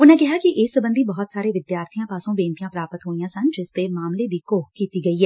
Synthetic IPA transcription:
ʊnẽkɪɦaːkiʔɪsəbə̃nd̪ʱibɐɦɔt̪saːɾeʋɪd̪jaːɾt̪ʰijãːpaːsõbẽːnt̪ijãːpɾaːpət̪ɦoːijãːsɐnd͡ʒɪst̪eːmaːmled̪iːkoːkkiːt̪iɡɐiɦɛː

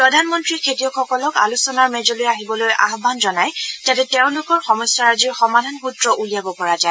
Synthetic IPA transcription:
pɹɔdʱanmɔntɹikʰetijɔkxɔkɔlɔka̰lusɔnaɹmɛzɔlojaɦibɔlojʔa̰ɦbʱanzɔnajzatɛtɛʊ̃nlʊkɔɹxɔmɔsaɹaziɹxɔmadʱanxutɹɔʔulijabɔpɔɹaza

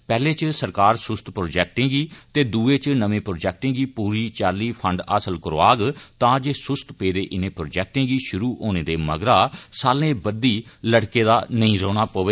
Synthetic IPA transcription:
pɛːleːt͡ʃsəɾkaːɾsʊst̪pɾoːd͡ʒɛːk̚ʈẽːɡiːt̪eːd̪uːeːt͡ʃnəʋẽːpɾoːd͡ʒɛːk̚ʈɪ̃ːɡiːpuːɾiːt͡ʃaːliːpʰəɳɖa̰ːsəlkəɾoaːɡt̪ãːd͡ʒeːsʊst̪peːd̪eːʔɪnẽːpɾoːd͡ʒɛːk̚ʈɪ̃ːɡiːʃʊɾuːʔoːneːd̪eːməɡɾaːsaːlẽːbəd̪iːləɽkeːd̪aːnəĩːɾoːɽ̃aːpoːʋeː

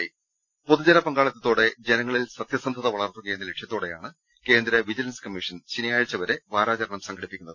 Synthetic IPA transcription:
po̞ðud͡ʑɐnɐpɐŋɡaːɭɐt̪ːɐt̪ːo̞ːɽe̞d͡ʑe̞nɐŋːɐɭilsɐt̪jɐsɐnd̪ʱɐðɐʋɐɭɐrt̪ːukɐjenːɐleʈʂjɐt̪ːo̞ːɽe̞ja̰ːɳɨ | ke̞ːnd̪ɾɐʋid͡ʑɐlɐnskɐmːiʂɐnt͡ɕinijaːjɻɭt͡ɕːɐʋɐɾe̞ʋaːɾaːt͡ɕɐɾɐɳɐmsɐŋɡʰɐɽipːikʲːunːɐðɨ

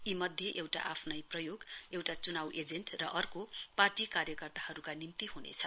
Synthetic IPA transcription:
imʌd̪ʱjeʔewʈa̰ʔapʰnʌjprʌjoɡewʈat͡sunawʔed͡zenʈrʌʔʌrkoparʈikarjʌkʌrt̪ahʌɾukanimt̪iɦunḛt͡sʰʌ

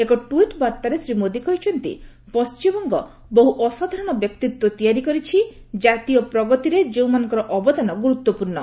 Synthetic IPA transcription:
ekɔʈuiʈbaɾt̪aɾesɾimod̪ikɔɦit͡ʃʰɔnt̪ḭ | pɔst͡ʃimɔŋɡɔ | boɦuʔɔsad̪ʱaɾɔɽ̃ɔbjɔkt̪it̪wɔt̪ijaɾikɔɾit͡ʃʰi | d͡ʒat̪ijɔpɾɔɡɔt̪iɾed͡ʒew̃manɔŋkɔɾɔʔɔbɔd̪ʱanɔɡuɾut̪ːɔpuɾɳɔ

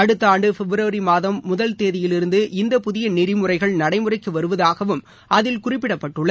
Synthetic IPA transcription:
ɐɽɯt̪ːaːɳɖɯfɛbɾɐːɾimaːðɐmːʊðɐlt̪eːðɪjɪlɪɾɯnd̪ɯʔɪnd̪ɐpʊðɪjɐnɪɾɪmɯrɐɪɣɐɭnɐɽɐɪmɯrɐɪkːɯʋɐɾɯʋɐðaːɣɐʋɯm | ʔɐðɪlkʊrɪpːɪɽɐpːɐʈːɯɭːɐ

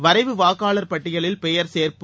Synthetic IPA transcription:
ʋɐɾɐɪʋɯʋaːɣaːɭɐɾpɐʈːɪɣɐɭɪlpɛjɐɾseːɾpɯ

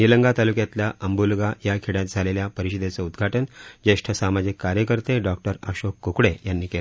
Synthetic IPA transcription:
niləŋɡat̪alukjat̪ljaʔəmbulɡajakʰeɽjat̪̚d͡zʱaleljapəɾiɕid̪et͡səud̪ɡʱaʈənd͡ʑeʂʈʰəsamad͡ʑikːaɾjəkəɾt̪eɖɔk̚ʈəɾə̰ɕokːokɽejanːiːkela

